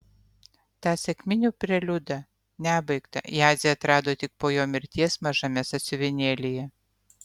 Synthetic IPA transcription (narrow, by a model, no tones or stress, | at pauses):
t̪ɑːsʲɛkʲmʲɪnʲuːpʲɾʲɛlʲʊd̪ɐ | nʲæːbɐɪkt̪ɐ̰jɑːzʲɛɐt̪ɾɑːd̪oːt̪ʲɪk̚poːjoːmʲɪɾʲt̪ʲiɛsmɐʒɐmʲɛsɐt̪ʲsʲɪʋʲɪnʲeːlʲɪjɛ